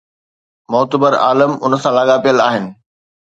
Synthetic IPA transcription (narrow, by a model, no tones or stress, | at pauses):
mɔɦt̪əbəɾa̰ːləmʊnə̆sãlaːɠapijəlaːɦɪnɪ̆